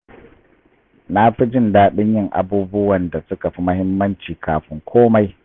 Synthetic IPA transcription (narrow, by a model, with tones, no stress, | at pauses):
na˦ɸi˦d͡ʒɪ˦˨ndaː˦ɗɪ˦ɲjɪ˦ŋʔa̰˨buː˦bʊ˦wɐ˨nda˨sʊ˦ka˨ɸi˦mɐ˦hɪ˦mːɐ˦nt͡ʃiː˨kʰaː˨ɸɪ˦ŋkʷʰoː˦ma˦j